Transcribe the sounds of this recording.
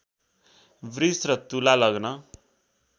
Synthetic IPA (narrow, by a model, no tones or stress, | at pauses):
brisrʌt̪ulalʌɡnʌ